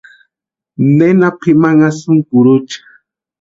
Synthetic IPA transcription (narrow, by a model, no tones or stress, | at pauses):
nenapʰimaŋasʊŋkuɾʊt͡ʃḁ